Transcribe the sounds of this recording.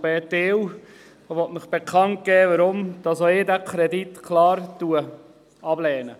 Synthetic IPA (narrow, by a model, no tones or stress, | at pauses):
bɛːtɪw | ʋɔtmɪχb̥ɛkχɑnt̚ɡ̥ɛːʋəɾʊmd̥ɑsoɪːdækʰɾɛdit̪kʰlɑːɾtuə | ɑblɛːnə